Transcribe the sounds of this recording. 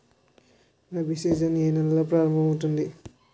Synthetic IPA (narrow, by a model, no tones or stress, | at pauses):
nɐbʱised͡ʒɐniɦejnɐlːɐpɾaːɾɐmbʱɐmut̪und̪i